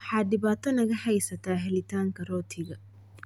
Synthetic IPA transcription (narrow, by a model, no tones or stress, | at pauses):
ħaːdɪβaːt̪ʰɔnɐɣɐħɐjsɐt̪ʰaːɦɛlɪt̪ʰaːŋkʰɐrɔːt̪ʰɪɣɐ